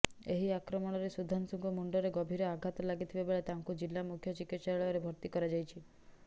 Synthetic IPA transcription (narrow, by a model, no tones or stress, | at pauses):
eɦiakɾɔmɔnɔɾesud̪ʱansuŋɡɔmuɳɖɔɾeɡɔbʱiɾɔaɡʱat̪ɔlaɡit̪ʰibabeɭet̪aŋkud͡ʒilːamukʰjɔt͡ʃikit̪saɾɭɔɔɾebʱɔɾt̪ikɔɾad͡ʒajt͡ʃʰi